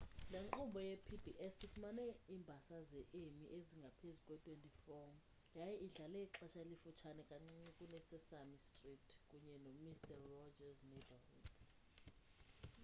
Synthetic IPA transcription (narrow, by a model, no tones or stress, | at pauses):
leŋŋ͡ǃumbʱɔjepʰibʱiʔɛsifumanɛiːmbʱasazɛʔemiʔeziŋɡʱapʰezukʼwɛtʼwentʼifɔm | jajɛʔiɮalɛiǁaʃʰalifut͡ʃʰanɛkʼaŋ͡ǀiɛkʼunɛsɛsamistʼritʰkʼuɲɛnomistʰʼɛrːɔd͡ʒaznebahṵd̥